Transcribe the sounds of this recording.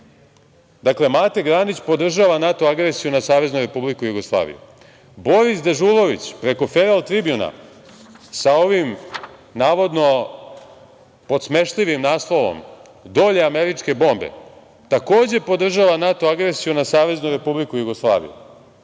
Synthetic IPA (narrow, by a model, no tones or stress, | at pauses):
d̪akle̞mat̪e̞ɡɾanit͡ɕpo̞d̪r̩ʒaʋanat̪oaɡɾesijunasaːʋe̞znuɾe̞publikujuɡo̞slˠa̰ːʋḭjṵ | bo̞ɾisd̪e̞ʒulˠo̞ʋit͡ɕpɾe̞ko̞feɾalt̪ɾibjuna̰ | sao̞ʋimnaːʋo̞d̪no̞ | po̞t̪sme̞ʃliʋimnaːslˠo̞ʋo̰m | d̪o̞ʎe̞ame̞ɾit͡ʂke̞bo̞ːmbe̞̰ | t̪ako̞ːd͡ʑe̞po̞d̪r̩ʒaʋanat̪o̞aɡɾesijunasaːʋe̞znuɾe̞publikujuɡo̞slˠaːʋḭjṵ